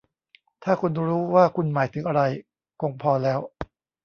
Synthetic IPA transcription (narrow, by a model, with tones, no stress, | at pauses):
t̪ʰaː˥˩kʰu˧nɾuː˦˥waː˥˩kʰu˧nmaː˩˦jt̪ʰɯ˩˦ŋʔa˧ɾa˧j | ko˧ŋpʰɔː˧lɛː˦˥w